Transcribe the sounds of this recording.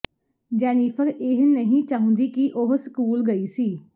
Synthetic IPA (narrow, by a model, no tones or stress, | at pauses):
d͡ʒɛːniːpʰəkeɦnəɦĩːt͡ʃaːɦʊ̃nd̪iːkiʔoɦskuːlɡəiːsiː